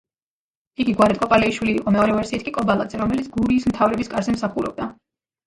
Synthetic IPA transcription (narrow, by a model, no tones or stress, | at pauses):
iɡiɡwaɾɛt̪ʼkʼɔpʼalɛiʃwiliːqʼɔmɛɔɾɛvɛɾsiːt̪̚ʰkʼikʼɔbalˠad̪zɛɾɔmɛlit̪sʰɡuɾiːsmt̪ʰavɾɛbiskʼaɾzɛmsaχuɾɔ̰b̚d̪a